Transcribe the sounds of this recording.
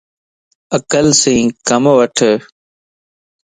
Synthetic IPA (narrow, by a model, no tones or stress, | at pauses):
əkəlsĩːkəmʋəʈʰ